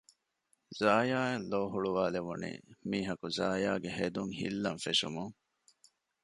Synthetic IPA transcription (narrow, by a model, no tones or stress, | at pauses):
zaːjaːeloːɦuɭuʋaːleʋunḭːmiːɦɐkuzaːjaːɡeɦed̪uŋhḭlːɐnfeʃṵmuŋ